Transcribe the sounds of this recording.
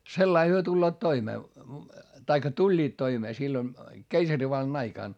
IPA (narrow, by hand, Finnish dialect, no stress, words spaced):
selːɑi hyø tulːoːt toimeː tɑikːɑ tulʲːiːt toimeː silːon keisɑriʋɑlːɑn ɑikɑˑn